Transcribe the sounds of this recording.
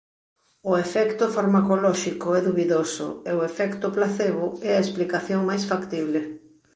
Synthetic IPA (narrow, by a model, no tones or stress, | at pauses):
ʊefɛkt̪ʊfaɾmakolɔʃikoɛðuβiðosʊ̰eʊefɛkt̪ʊplaθeβʊɛɐesplikaθjoŋmajsfakt̪iβle